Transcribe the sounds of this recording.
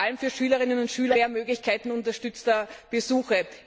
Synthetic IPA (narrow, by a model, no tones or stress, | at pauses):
almfyːɐʃyːlɐʁɪnənʊntʃyːlɐeːɐmøːɡlɪçkʰaɪtn̩ʊntɐʃtʏt͡stɐb̥əzuːxə